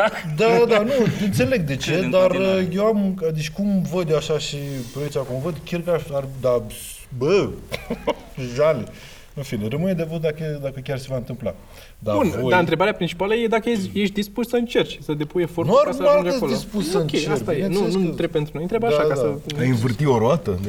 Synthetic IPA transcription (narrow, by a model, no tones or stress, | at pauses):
d̪ad̪anuɨnt̪se̞le̞ɡ̚d̪e̞t͡ʃe̞d̪arəjewamad̪it͡ʃkumvəd̪joaʃaʃipɾoet͡ʃakumvəd̪ʲkʲarkaard̪a | bə | ʒale | ɨnfinerəmɨned̪evəd̪d̪aked̪akəkʲarse̞vaɨnt̪ɨmpla̰ | d̪abunj̪aɨnt̪ɾe̞baɾeapɾint͡ʃi̥paləjed̪akəjejeʃt̪d̪ispussəɨnt͡ʃe̞rt͡ʃsəd̪epuje̞fortnuaɾasualəod̪ispusəonkʲejt͡ʃast̪ajjenunut̪ɾeb̚pe̞nt̪ɾunojnt̪ɾebaʃakad̪səajɨnvɨrt̪ioɾoat̪ə